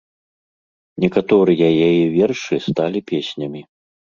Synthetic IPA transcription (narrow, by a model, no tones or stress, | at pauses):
nʲɛkat̪ɔɾɨjɐjajɛvʲɛrʂɨst̪alʲipʲesʲnʲɐmʲi